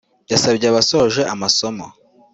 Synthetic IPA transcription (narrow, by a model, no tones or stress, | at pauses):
jasabɟeaβasoʒe̞ʔamasomo